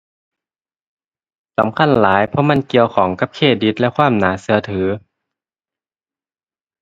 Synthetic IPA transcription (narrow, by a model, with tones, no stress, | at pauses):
sa̰˨˦mkʰa˧˥˨nlaː˩˦jpʰɔ˧˥ma˧˥˨nki˧əwkʰɔː˩˦ŋka˧˥p̚kʰeː˧˥˩t̪̚di˧˦t̪̚lɛ˧kʰwaː˥˨mnaː˩˦sɯ˧˦ɐt̪ʰɯː˩˦